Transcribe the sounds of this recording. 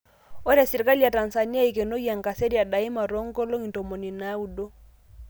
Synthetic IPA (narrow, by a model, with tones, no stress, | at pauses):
o˦ɾa˨si˨ɾka˦lja˨ta˨nsa˨ni˦a˦i˨ke˨no˦ja˨ŋ˨ka˨se˦ɾja˨da˨i˦ma˨ɾo˦ŋ˦ɡo˦lo˦ŋi˨nto˨mo˨ni˨na˨˦u˨do˦